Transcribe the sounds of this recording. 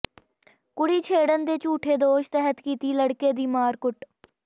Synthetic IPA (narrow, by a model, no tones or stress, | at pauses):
kʊɽiːt͡ʃʰeːɽənd̪eːt͡ʃuːʈʰeːd̪oːʃt̪ɛɦət̪kiːt̪iːləɽkeːd̪iːmaːɾkʊʈ